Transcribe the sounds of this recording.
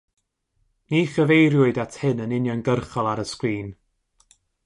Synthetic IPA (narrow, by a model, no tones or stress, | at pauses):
niːχəvejɾjʊɨdatʰhɪnənɪnjɔnɡərχɔlˠaɾəskwiːn